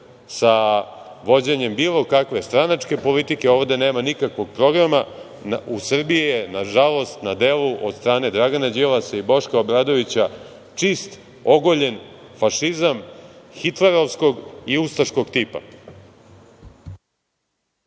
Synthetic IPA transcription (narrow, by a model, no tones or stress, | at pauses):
sa | ʋo̞d͡ʑeɲe̞mbiːlˠo̞kakʋe̞st̪ɾanat͡ʂke̞po̞lit̪ikeo̞ːʋd̪ene̞ːmanikakʋo̞ɡ̚pɾo̞ɡɾama | usr̩bijijenaʒalˠo̞st̪nad̪eːluʔo̞̰d̪st̪ɾaːne̞d̪ɾaɡanad͡ʑilasaibo̞ʂkaobɾaːd̪o̞ʋit͡ɕa | t͡ʂist̪ | o̞ɡoʎe̞nfaʃizamxit̪leɾoʋsko̞ɡiust̪aʃko̞ɡt̪iːpa̰